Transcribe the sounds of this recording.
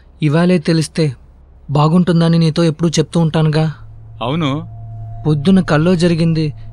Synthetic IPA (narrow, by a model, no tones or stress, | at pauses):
iʋaːle̞ːt̪e̞list̪e̞ː | baːɡuɳʈund̪aːniniːt̪o̞ːe̞pːuɽut͡ʃe̞p̚t̪uːɳʈaːnuɡaːɐwunupo̞d̪ːunɐkɐɭːo̞ːd͡ʒɐɾiɡind̪i